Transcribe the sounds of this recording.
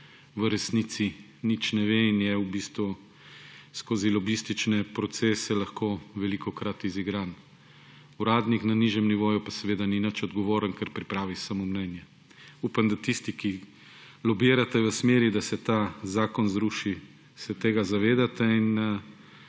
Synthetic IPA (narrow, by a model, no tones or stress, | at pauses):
ʋəɾɛsnit̪si | nit͡ʃnɛʋeinjɛubiːst̪ʋu | skoːzilɔbist̪it͡ʃnɛpɾɔt̪seːsɛlɐxkoːʋɛlikʰɔkɾat̪iziɡɾan | uɾaːd̪niknaniʒjɛmniʋoːjupasɛʋeːd̪aninət͡ʃɔd̪ɡɔʋoːɾənkɛɾpɾipɾaːʋisamomnɛːnjɛ | uːpamd̪at̪ist̪iki | lɔbiːɾat̪ɛʋəsmeːɾid̪asɛt̪azaːkɔnzɾuʃi | sɛt̪eːɡazaʋeːd̪at̪ɛin